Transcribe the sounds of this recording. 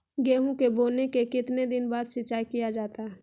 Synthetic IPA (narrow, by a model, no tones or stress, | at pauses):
ɡeːɦõkeboːnekekɪt̪ned̪ɪnbaːd̪ʃɪtːt͡ʃaːikijad͡ʒaːt̪aɦɛ